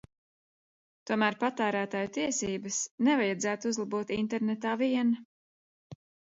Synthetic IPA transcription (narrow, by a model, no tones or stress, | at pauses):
t̪uɔmæːɾpat̪æːɾæːt̪aːjut̪iɛsiːbɐsnɛvajad̪zæːt̪uuzlˠabuːt̪int̪ɛɾnɛt̪aːviɛn